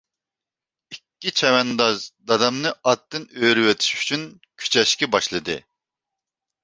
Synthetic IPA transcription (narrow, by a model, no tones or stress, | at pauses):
ikʲːit͡ʃʰɛwɛnd̪ɑzd̪ɑd̪ɑmnɨɑt̪ːɨnøɾywɛt̪ʰi̥ʃy̥t͡ʃʰyn | kʲʰy̥t͡ʃʰɛʃkʲɛbɑʃlˠɨd̪ɨ̰